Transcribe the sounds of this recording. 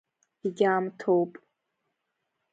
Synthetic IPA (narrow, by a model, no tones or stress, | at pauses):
iɡʲaːmtʰowpʼ